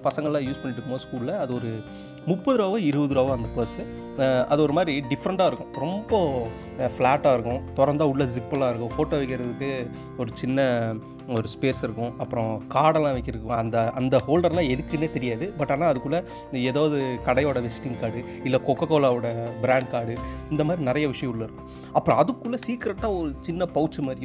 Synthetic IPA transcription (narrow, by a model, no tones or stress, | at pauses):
pɐsɐŋɡɐlãːjuːspɐɳːɪʈːɯkːmoːskuːlɪlɐɐðɯɔɾɯ | mʊpːɐðɯɾaːʋɐ̃ɪɾɯʋɐðɯɾaːʋɐ̃ɐnd̪ɐpɐsɯ | ɐ̰ðɔɾɯmaːdɾiɖɪfɐɾɐɳʈaːɪɾɯkːʊ̃ɾɔmbɐ | flaːʈːaːɪɾɯkːʊ̃t̪ɔɾɐɾnd̪aːʊɭːɐs̬ɪpːɐlãːɪɾɯkːʊ̃foːʈːoːɛʋɐɪkːɪɾɐðɯkːɯ | ɔɾɯt͡ʃɪnːɐ | ɔɾɯspeːsɪɾɯkːʊ̃ɐpːɯɾɔ̃kaːɽɐlãːʋɐɪkːɪɾɯkːʊ̃ɐnd̪ɐɐnd̪ɐhoːlɖɐɾlãːɛðɯkːɯneːt̪ɛɾɪjaːðɯbɐʈːaːnːaːɐðɯkːɯɭːɐ | eːðaːʋðɯkɐɽɐjoːɽɐʋɛsʈɪŋkaːɽɯ | ɪlːɐkɔkːɐkːoːlaːʋɯɽɐbɪɾaːɳɖkaːɽɯɪnd̪ɐmaːd̪ɾinɪɾɐjɐʋɪʂɐjɐ̃ʊɭːɐɪɾɯkːʊ̃ | ɐpːɯɾɔ̃ɐðɯkːɯɭːɐsiːkɪɾɛʈːaːɔɾɯt͡ʃɪnːɐpɐʊt͡ʃːɯmaːd̪ɾɪj